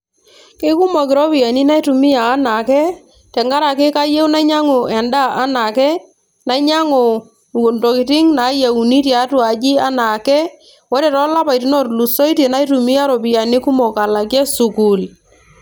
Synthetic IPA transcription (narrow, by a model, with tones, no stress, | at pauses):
kɪ˦ku˦mɔ˨k̬ɪ˨ɾɔ˦pɪ˨ja˨ni˦na˦i˦tu˨mɪ˦jaː˨˦na˨kɛ˦ | tɛ˨ŋɡa˦ɾa˨kɪ˦ka˦je˦wu˦na˦ɲa˦ŋo˨ɛ˨nda˦ʔa˦na˨kɛ˦ | na˨˦ɲa˦ŋo˨ | ndɔ˨kɪ˨tɪ˦ŋna˨˦ja˨u˨ni˦tja˨˦twa˨d͡ʒɪ˦a˦na˨kɛ˦ | wɔ˦ɾɛ˨ɾɔ˦la˦pa˨jti˦nɔ˦˨tlu˨sɔ˦i˦te˨na˦i˦tu˨mi˦a˦ɾɔ˨bɪ˨ja˨nɪ˦ku˦mɔ˨ka˨la˨kjɛ˦su˨ku˨l